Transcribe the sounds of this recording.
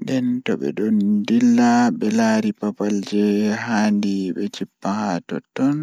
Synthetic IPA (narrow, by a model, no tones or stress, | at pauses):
dɛntɔɓɛ̰ɗɔndilːaɓɛlaɾipapald͡ʒɛhaːndiɓɛt͡ʃipːahatɔ̰tːɔn